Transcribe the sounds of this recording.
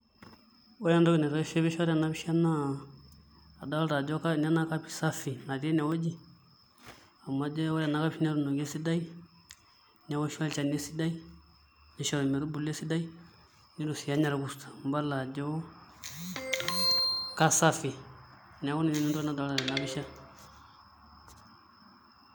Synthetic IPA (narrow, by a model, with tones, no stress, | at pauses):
wɔ˦ja˦ndɔ˦ɡɛ˨nɛ˨ɾɔ˦ɛ˦ʃɛ˦bɛ˦ʃa˦ɾa˨na˦bi˦ʃa˦na˦˨ | da˦wlɾa˨d͡ʒɔ˦ka˦na˦na˦ka˦pi̥˨sa˦fi˨na˨ɾɛ˦nɛ˨wɔ˦d͡ʒi˦˨ | a˨ma˨d͡ʒɛ˦wɔ˦ɾa˨na˦ka˦biʃi˦nɛ˦ɾu˨no˨ɡɛ˦si˦da˦i˦ | nɛ˨wɔ˦ʃa˦lt͡ʃa˨nɛ˦si˦da˦i˦ | ni˦ʃa˨ɾo˨mɛ˨ɾu˦bu˨le˦si˦da˦i˦ | nɛ˦du˨si˨ja˦ɲa˨ɾa˨ɡu˨stḁ˨mba˦la˨d͡ʒo˦ | ka˦sa˦fi˨ | nɛ˨˦ku˦na˨nɛ˦nu˦tu˦na˨da˨a˦a˨ɛ˨na˦bi˦ʃa˦